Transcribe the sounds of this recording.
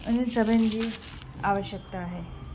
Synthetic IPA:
əñisəbənd̪iː | aʋəɕjək̚t̪aːɦe

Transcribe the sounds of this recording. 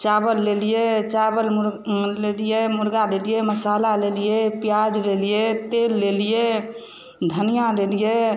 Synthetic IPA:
t͡ʃabəlːelijet͡ʃabəlmuɾlelijemuɾɡalelijeməsalalelijepijad͡ʒlelijet̪elːelije | d̪ʱənijalelije

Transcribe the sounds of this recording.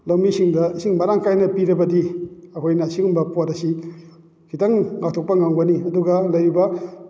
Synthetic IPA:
lowmisiŋdɐsiŋmɐɾaŋkajnɐpiɾɐbɐdiɐkʰojnɐsiŋumbɐpoɾɐsi | kʰitaŋŋak̚tʰok̚pɐŋaŋbɐniɐduɡɐlɐjɾibɐ

